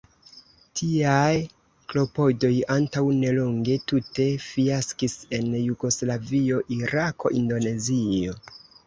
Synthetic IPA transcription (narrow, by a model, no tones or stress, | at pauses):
tʰiaj | klo̞po̞do̞jantawne̞lo̞ŋɡe̞tute̞fiaskise̞njuɡo̞slavio̞ʔiɾakʰo̞̰ʔindo̞ne̞zio̞